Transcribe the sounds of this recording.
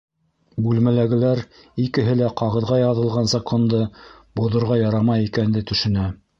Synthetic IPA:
bʉlmælæɡɘ̆læɾ | ikɘ̆ɦɘlæqɑʁɤ̆ðʁɑjɑðɤ̆lˠʁɑnzɑkʰo̞nd̪ɤ | bŏðŏɾʁɑjɑɾɑmɑjikænd̪ɘt̪ɵ̆ʃɘ̆næ

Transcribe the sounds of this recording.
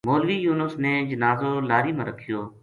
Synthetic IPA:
moːlʋiːjuːnəsneːd͡ʒənaːzoːlaːɾiːmãːɾəkʰɪjoː

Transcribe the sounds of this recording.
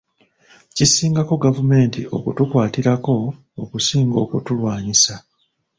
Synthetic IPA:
cisiːŋɡako̞ɡavume̞ːntiʔo̞̰kutukwaːtiɾako̞ː | kusiːŋɡo̞ːkutulwaːɲisa

